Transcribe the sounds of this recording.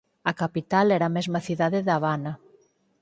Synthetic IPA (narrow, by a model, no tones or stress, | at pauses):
ɐkapit̪alɛɾamɛzmɐθiðaðeðaβanɐ